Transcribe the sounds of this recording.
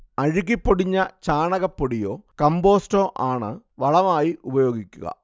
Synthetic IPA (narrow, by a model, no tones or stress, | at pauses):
ɐɻiɣipːoɽiɲːɐt͡ɕaːɳɐɣɐpːoɽijo̞ːkɐmbo̞ːsto̞ːʔaːɳɨ | ʋɐɭɐmaːjiʔubɐjo̞ːɡikʲːuɣɐ̰